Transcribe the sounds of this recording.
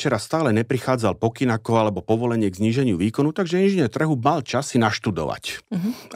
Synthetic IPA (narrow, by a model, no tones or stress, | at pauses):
t͡ʃɛɾast̪aːlɛɲɛpɾixaːd͡zalpɔkinakɔalɛbɔpɔʋɔlɛɲɪɛɡzɲiːʒɛɲɪuʋiːkɔnut̪aɡʒɛinʒiɲɛɾt̪r̩ɦumalt͡ʃasinaʃt̪ud̪ɔ̰ʋa̰c